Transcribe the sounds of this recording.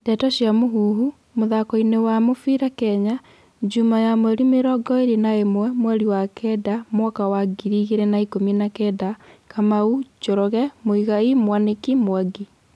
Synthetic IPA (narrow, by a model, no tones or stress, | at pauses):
ndɛtɔɕjamoɦuːɦu | moðakɔinewamofiɾakɛɲa | d͡ʒumajamwɛɾimeɾɔɡɔeɾenaemwɛmwɛɾiwakɛdamwakawaɡiɾiɣeɾɛnaikominakɛdakamaud͡ʒɔɾɔɣɛmoiɣaimwanekimwaɡi